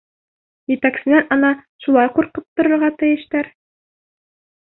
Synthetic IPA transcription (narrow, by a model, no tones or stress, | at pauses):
jɘ̆t̪æksɘ̆nænɑnɑʃulˠɑjquɾqɤp̚t̪ŏɾŏɾʁɑt̪ɘ̆jɘ̆ʃt̪æɾ